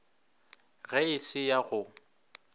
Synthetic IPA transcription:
ɣɛɪsɪjaɣʊ

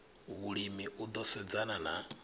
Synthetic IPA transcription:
βuɺimiʔud̪ɔsɛd͡zanana

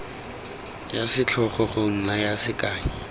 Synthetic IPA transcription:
jasɪt͡ɬʰɔχɔχʊŋ̩najasɪkʼaːŋi

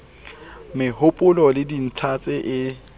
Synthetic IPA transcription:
mɪhʊpʼʊlɔlɪdin̩tʰat͡sʼɪʔɪ

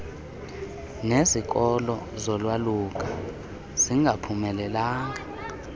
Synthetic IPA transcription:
nezik̬ʼɔlɔzɔlwaluk̬ʼa | z̥iŋʱapʰumɛlɛlaːŋa

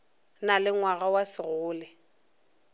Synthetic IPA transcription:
nalɪŋwaɣawasɪɣʊːlɛ

